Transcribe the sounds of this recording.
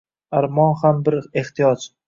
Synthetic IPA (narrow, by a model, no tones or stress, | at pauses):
aɾmɒnhambɪɾe̞ht̪ʰijɒt͡ʃ